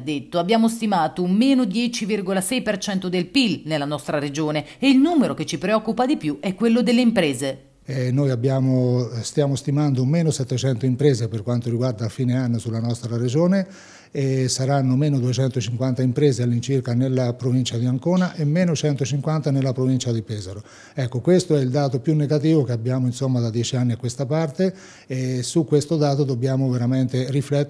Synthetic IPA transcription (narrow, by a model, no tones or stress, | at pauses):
d̪ːet̪ːoabːjaːmost̪imaːt̪omeːnod̪jɛːt͡ʃivirɡolasɛjpert͡ʃɛnt̪od̪elpilnelːanɔst̪ɾaɾed͡ʒoːneːilnuːmeɾok̟et͡ʃːipɾeɔkːupad̪ipjuʔɛkːwelːod̪elːeimpɾeːze | ɛnːoːjabːjaːmost̪jaːmost̪imand̪omeːnosɛt̪ːet͡ʃɛnt̪oimpɾɛːzeperkwant̪oɾiɡward̪aːfiːneanːosulːanɔst̪ɾaɾed͡ʒoːne | esaɾanːomeːnod̪uet͡ʃɛnt̪ot͡ʃiŋkwant̪aimpɾeːzealːint͡ʃirkanelːapɾovint͡ʃad̪iaŋkoːnaʔemːeːnot͡ʃɛnt̪ot͡ʃiŋkwant̪anelːapɾovint͡ʃad̪ipɛːzaɾo | ɛkːokwest̪oɛild̪aːt̪opjunːeɡat̪̬iːvokeabːjaːmoinsomːad̪ad̪jɛt͡ʃianːiakːwest̪apart̪eː | sukːwest̪od̪aːt̪od̪obːjaːmoveɾament̪eriflɛt̪ː